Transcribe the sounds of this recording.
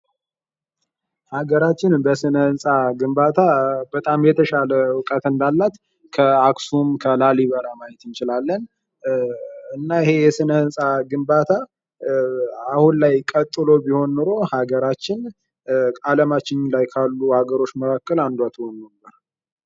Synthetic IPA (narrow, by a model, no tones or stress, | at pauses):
haɡəɾat͡ʃːɪnbəsɨnəɨnsʼaɡɨmbat̪ʰabət̪ʼamjɛt̪ʰəʃaləwɨkʼət̪ɨnd̪alːat̪ | kʰəaksumkʰəlaliβəɾamajɛt̪ɨnt͡ʃɪlalːən | ɨnːaɪhe̞jɛsɨnəɨnsʼaɡɨmbat̪ʰa | ahunlajkʼət̪ʼːɨlo̞biho̞nːɨɾo̞haɡəɾat͡ʃːɪn | aləmat͡ʃːɪɲlajkʰalːuhaɡəɾo̞t͡ʃːməkʰakːəland̪wat̪honːəbːəɾ